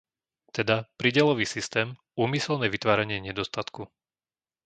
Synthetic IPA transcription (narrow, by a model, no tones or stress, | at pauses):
t̪ɛd̪apɾiɟɪɛlɔʋiːsist̪ɛːm | uːmisɛlnɛːʋit̪ʋaːɾaɲɪɛɲɛd̪ɔst̪at̪ku